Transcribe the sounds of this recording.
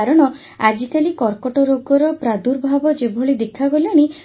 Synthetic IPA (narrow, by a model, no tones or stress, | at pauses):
ɾɔɽ̃ɔ | ad͡ʒik̪alikɔɾkɔʈɔɾoɡɔɾɔpɾad̪uɾbʱabɔd͡ʒebʱɔɭid̪ekʰːaɡɔlaɽ̃i